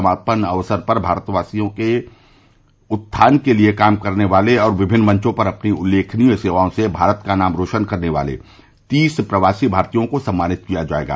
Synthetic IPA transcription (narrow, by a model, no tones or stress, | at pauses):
maːpənɐʋsəɾpɐɾbʱaːɾt̪ʋaːsijõke | ʊt̪ʰːaːnkeliekaːmkɐɾneʋaːleɔːɾʋɪbʱɪnːmɐ̃ɲt͡ʃõpɐɾɐpniʊlːeːkʰniseːʋaːõsebʱaːɾət̪kanaːmɾoːʃənkɐɾneʋa̰ːlḛ | t̪iːspɾəʋaːsibʱaːɾt̪ijõkosɐ̃mːaːnɪt̪̚kijad͡ʒa̰ːḛːɡa̰ː